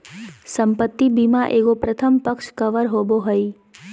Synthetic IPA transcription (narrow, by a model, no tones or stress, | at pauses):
səmpət̪ːibimãʔeʋopɾət̪ʰəmpəkʃkəʋəɾɦoboɦəi